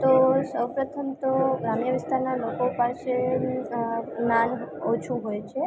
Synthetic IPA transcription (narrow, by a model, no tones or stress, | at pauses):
t̪osəwpɾət̪ʰəmt̪oɡɾamjəʋɪst̪ʰaɾnalokopase | nanot͡ʃʰuɦojt͡ʃʰe